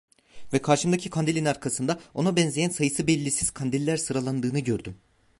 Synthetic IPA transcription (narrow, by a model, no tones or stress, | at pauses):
vɛkʰaɾʃɯmd̪acʰikʰand̪ilʲinaɾkʰasɯnd̪ao̞nabɛnzʲejænsajɯsɯbɛlʲːisiz̥kʰand̪ilʲːæɾsɯɾalˠand̪ɯːnɯɟø̞ɾd̪ym